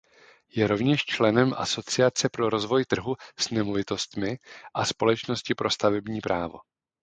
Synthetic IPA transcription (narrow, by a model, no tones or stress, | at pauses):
jɛɾo̞vɲɛʃt͡ʃlɛnɛmʔa̰so̞t͡sɪat͡sɛpɾo̞ɾo̞zvo̞jt̪r̩ɦusnɛmovɪt̪o̞st̪mɪʔaspo̞lɛt͡ʃno̞scɪpɾo̞st̪avɛbɲiːpɾʔaːvo̞̰